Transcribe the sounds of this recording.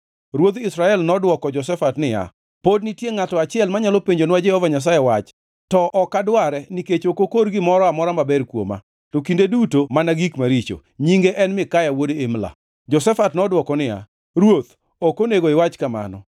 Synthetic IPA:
ɾwot̪ɪsɾaɛlnɔdwɔkɔd͡ʒɔs̬ɛfatnɪja̰ | podnɪtjeŋatɔat͡ʃɪɛlmaɲalopeɲd͡ʒonɪwad͡ʒɛhɔvaɲas̬ajɛwat͡ʃ | tɔʔɔkadwaɾɛniket͡ʃokokoɾɡɪmɔɾɔamɔɾamabɛrkwo̰ma̰ | tokindedutomanaɡikmaɾit͡ʃo̰ | ɲiŋɡeʔɛnmɪkajawodeemla̰ | d͡ʒɔsɛfatnɔdwɔkɔnɪja̰ | ɾwot̪ | okoneɡoɪwat͡ʃkama̰nɔ̰

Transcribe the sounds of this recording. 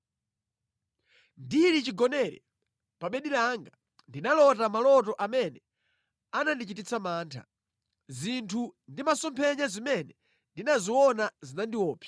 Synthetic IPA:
ndiɾit͡ʃiɡɔnɛɾɛ̰ | paɓɛɗilaŋɡa | ndinalɔtamalɔtɔʔamɛnɛ | anandit͡ʃitit͡samaːntʰa̰ | zintʰundimasɔmpʰɛɲazimɛnɛ | ndinaziwɔnazinandiwɔːpʰjḁ

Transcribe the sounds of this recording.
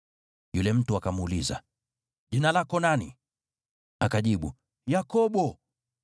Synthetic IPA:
julɛm̩tuakamuliza̰ | ʄinalakɔnanḭ | akaʄiɓu | jakɔɓɔ

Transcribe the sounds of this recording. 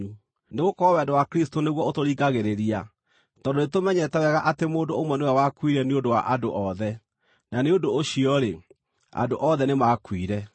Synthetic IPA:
neɣokɔɾɔwɛndowakɾistoneɣwɔotoɾiːɡaɣeɾeɾia | tɔdonetomɛɲɛtɛwɛɣaʔatemoːndoomwɛnojawakwiɾɛneondowa̰ʔadoʔɔðɛ | naneondoːɕiɔɾe | a̰doʔɔðɛnemakwiɾɛ

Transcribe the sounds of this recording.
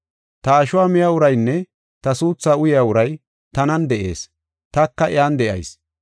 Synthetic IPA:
t̪ɐːʃʊwaːmɪjaːʊɾɐjnːɛ | t̪ɐsuːt͡sːaːʊjɪaːʊɾɐj | t̪ɐnɐnd̪ɛʔe̞̰ːs | t̪ɐkːɐʔɪaːnd̪ɛʔɐ̰js

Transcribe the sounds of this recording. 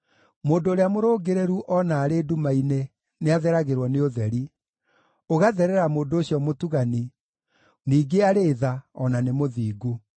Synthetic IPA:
moːndoːɾeamoɾoːɡeɾeɾuʔɔnaːɾeːdumaine | neaðɛɾaɣeɾwɔneoðɛɾi | oɣaðɛɾɛɾamoːndoːɕiɔmotuɣani | niːɡeaɾeːðaɔnanemoðiːɡu

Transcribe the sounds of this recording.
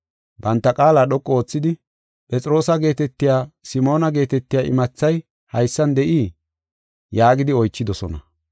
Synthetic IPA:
bɐnt̪ːɐkʼaːlaːɗɔkʼːɔoːt͡sːɪd̪ɪ | pʼɛt͡sʼɪɾo̞ːsɐɡe̞ːt̪ɛt̪ːɪjaːsɪmo̞ːnɐɡe̞ːt̪ɛt̪ːɪjaːʔɪmɐt͡sːɐj | hɐjsːɐnd̪ɛʔiː | jaːɡɪd̪ɪɔjt͡ʃːɪd̪ɔsɔ̰nɐ̰

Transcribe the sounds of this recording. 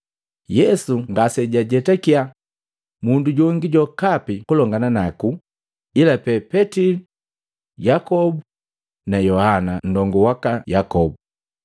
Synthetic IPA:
jɛsuŋɡasɛɟaɟɛtɛkia | munduɟɔŋɡiɟɔkapikulɔŋɡananaku | ilapɛpɛtili | jakɔbu | najɔhanan̩dɔŋɡɔwakajakɔbu

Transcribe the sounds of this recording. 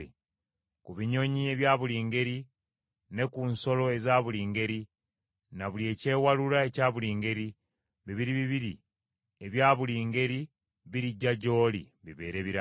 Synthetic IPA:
e | kuβiɲo̞ɲie̞βjaːβuliːŋɡe̞ɾi | ne̞kunso̞lo̞ezaːβuliːŋɡe̞ɾi | naβulie̞ːce̞ːwalulae̞caːβuliːŋɡe̞ɾi | βiβiɾiβiβiɾi | eβjaːβuliːŋɡe̞ɾi | βiɾiɟaɟo̞ːlḭ | βiβe̞̰ːɾe̞βiɾa

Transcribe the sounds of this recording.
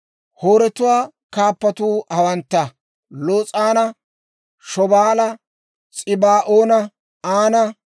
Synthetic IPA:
hoːɾɛt̪ʊwaː | kaːpːɐt̪uːɐwɐnt̪ːɐ | loːt͡sʼaːnɐ | ʃɔbaːlɐ | t͡sʼɪbaːʔoːnɐ | aːnɐ

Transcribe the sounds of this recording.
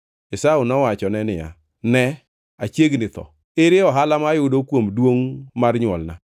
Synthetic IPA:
ɪsaʊnɔwat͡ʃɔnɛnɪja̰ | nɛ | at͡ʃeɡnɪt̪ɔ̰ | eɾɪɔɦalamajʊdokwomdwoŋmarɲwɔlna̰

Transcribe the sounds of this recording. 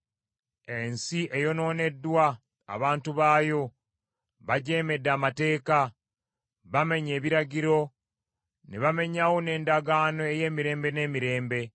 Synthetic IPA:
e̞nsiʔe̞jo̞no̞ːne̞dːwa̰ː | βaːntuβaːjo̞ | βaɟe̞ːme̞dːaːmate̞ːka | βame̞ɲe̞ːβiɾaɟiɾo̞ | neβame̞ɲawone̞ːndaɡaːno̞e̞je̞ːmiɾe̞ːmbe̞ne̞ːmiɾe̞ːmbe̞

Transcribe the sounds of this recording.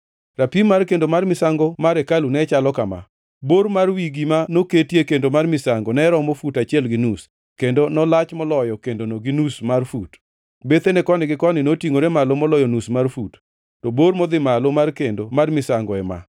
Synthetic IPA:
rapimːarkendomarmɪsaŋɡɔmaɾɛkalunɛt͡ʃalɔkama̰ | boɾmarwiɡimanoketjekendomarmɪsaŋɡɔnɛɾɔmofutat͡ʃɛlɡɪnus | kendonɔlat͡ʃmɔlɔjɔkendonoɡɪnusmarfut | bet̪enɛkɔnɪɡɪkɔnɪnotiŋoɾemalomɔlɔjɔnusmarfut | tɔboɾmɔd̪ɪmalomarkendomarmɪsaŋɡɔɛma̰

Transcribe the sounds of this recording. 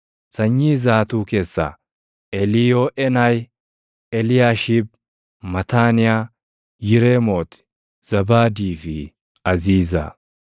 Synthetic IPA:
sɐɲːiːzaːt̪uːke̞ːsːa̰ | ɛlɪjoːʔɛnaj | ɛlɪjaːʃib̚ | mɐt̪aːnɪjaː | jɪɾeːmoːt̪ɪ̥ | z̥ɐbaːd̪iːfɪ | ɐziːza̰

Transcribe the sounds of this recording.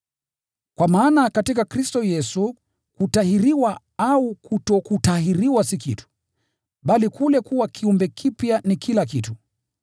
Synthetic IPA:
kwamaːnakatikakɾistɔjɛsu | kutahiɾiwa | aukutɔkutahiɾiwasikitu̥ | ɓalikulɛkuwakʰiumbɛkʰipjanikʰilakitu

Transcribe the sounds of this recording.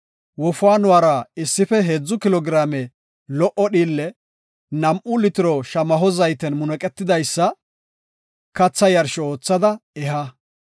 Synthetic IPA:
wɔfʊaːnʊwaːɾɐɪsːɪfɛɦeːd͡zːʊkɪlɔɡɪɾaːmɛ | lɔʔɔɗiːlːɛ | nɐmʔʊlɪt̪ɪɾɔʃɐmɐɦɔzɐjt̪ɛnmʊnɛkʼɛt̪ːɪd̪ɐjsːɐ | kɐt͡sːɐjɐɾʃɔo̞ːt͡sːɐd̪ɐɛɦɐ

